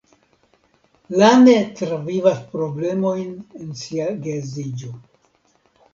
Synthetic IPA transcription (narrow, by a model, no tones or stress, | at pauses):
lanetɾavivaspɾo̞ble̞mo̞jne̞nsiaɡezid͡ʒo̞